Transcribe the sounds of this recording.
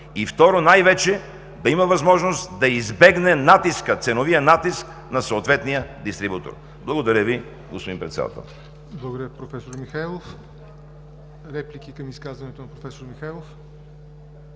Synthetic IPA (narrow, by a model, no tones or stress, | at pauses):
ift̪ɔɾonajvɛt͡ʃɛ | d̪ɐimɐvɐzmɔʒnost̪d̪ɐizbɛɡnɛnat̪iskət̪sɛnovijənat̪isk | nɐsooːt̪vɛt̪nijəd̪ist̪ɾibut̪o̰ɾ | blˠɐɡod̪ɐɾʲjəvi | ɡospod̪impɾɛt̪sɛ̰d̪a̰t̪ɛ̰lˠ | blˠɐɡod̪əɾʲjəpɾofɛsoɾmixajlˠof | ɾɛplikʲikɐmiskazvɐnɛt̪onɐpɾofɛsoɾmixajlˠof